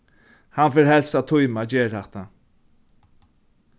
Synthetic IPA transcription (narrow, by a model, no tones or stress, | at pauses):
hanfɪɾhɛlsat̪ʰʊjmad͡ʑɛːɾaht̪a